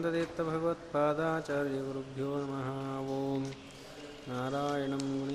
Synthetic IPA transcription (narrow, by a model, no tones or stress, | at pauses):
nd̪ɐd̪eːt̪ːɐbʱɐɡɐʋɐt̪̚paːd̪aːt͡ʃaːɾjɐʋɐɾubʱjoːnɐmɐɦaːaːʋoːm | naːɾaːjɐɳɐmɡunɐ